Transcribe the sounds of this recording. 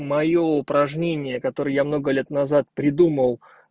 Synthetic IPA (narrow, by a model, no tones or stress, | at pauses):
mɐjo̞ʊpɾɐʐnʲenʲɪjəkɐt̪o̞ɾɨjəjamno̞ɡəlʲe̞t̪nɐzat̪̚pɾʲɪd̪uməlˠ